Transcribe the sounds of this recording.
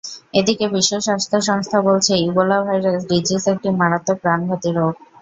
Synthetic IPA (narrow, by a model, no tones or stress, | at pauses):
ed̪ikebiʃːoʃast̪ʰaʃɔŋst̪ʰabolt͡ɕʰeubolabʱajɾesɖid͡ʑisek̚ʈimaɽat̪ːopɾanbʱat̪iɾoɡ̚